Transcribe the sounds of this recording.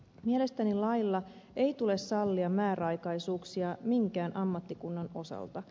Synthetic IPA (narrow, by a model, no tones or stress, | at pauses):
miele̞st̪ænilɑjlːɑejt̪ule̞sːɑlːiɑmmæːɾɑjkɑjsuːksiɑmiŋkæːnʔɑmːɑt̪ːikunːɑno̞sɑ̰lt̪ɑ